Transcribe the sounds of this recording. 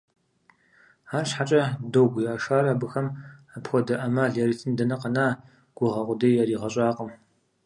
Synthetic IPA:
aːrɕħat͡ʃʼɐdowɡʷʊjaːʂaːraːbɨxɐmapxʷɔdɐʔɐmɐɮɛɾitʰɨndɐnɐqɐnaː | ɡ̥ʷʊʁɐqʷʊdɐjjɛɾiːʁɐɕʼaːqəm

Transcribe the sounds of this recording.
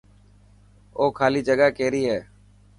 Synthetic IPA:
oːkʰaːliːd͡ʒəɠaːkeːɾiːɦeː

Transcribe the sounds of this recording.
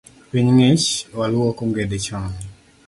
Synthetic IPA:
piɲŋet͡ʃwalɔkoŋɡedet͡ʃɔŋɛ

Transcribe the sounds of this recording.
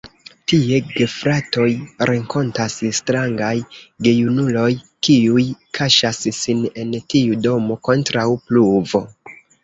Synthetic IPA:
tie̞ɡe̞fɾato̞jɾʔeŋko̞ntasstɾaŋɡajɡe̞junulo̞j | kiujkʰaʃassine̞ntiudo̞mo̞ko̞ntɾawpluvo̞

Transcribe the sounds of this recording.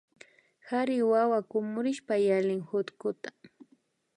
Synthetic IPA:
haɾɪwawakʊmʊɾɪʃpajalɪŋhʊt̪kʊt̪ḁ

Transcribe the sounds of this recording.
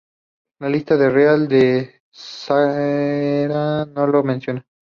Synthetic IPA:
lalist̪aðereald̪e | sa | ɾanolomensjona

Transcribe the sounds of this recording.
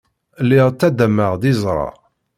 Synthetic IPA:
lːiʁt͡sːæd̪æmːəʁðizˤɾˤɑ̰

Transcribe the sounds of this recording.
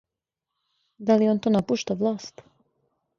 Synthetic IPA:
d̪alioːnt̪oːnapuʃt̪aʋlˠaːst̪

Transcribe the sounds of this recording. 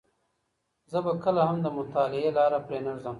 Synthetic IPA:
zəbakəlaɦamd̪əmʊt̪ɑːlɪelɑːɾapɾeːnaɾzəm

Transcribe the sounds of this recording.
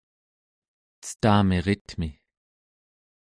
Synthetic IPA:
t͡staːmeʁɪtmi

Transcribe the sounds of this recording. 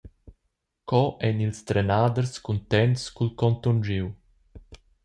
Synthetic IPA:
kɔʔɛnilst̪ɾɛnaːd̪əɾskunt̪ɛntskulkɔnt̪ɔnd͡ʒiw

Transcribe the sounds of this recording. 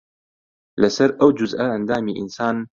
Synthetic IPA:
lasaɾʔawd͡ʒʊzʔaʔand̪aːmiʔɪ̰nsaːn

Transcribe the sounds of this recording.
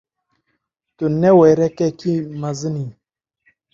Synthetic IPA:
tunːeweɾɛkekimazɨni

